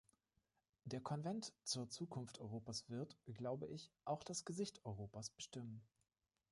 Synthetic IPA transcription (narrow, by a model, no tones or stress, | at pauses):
d̥eːɐkʰɔnvɛntt͡suːɐt͡suːkʰʊnftʔɔʏʁoːpasv̥ɪɐtɡ̥laʊbəʔɪçʔaʊxd̥asɡ̥əzɪçtɔʏʁ̞oːpasb̥əʃtɪmən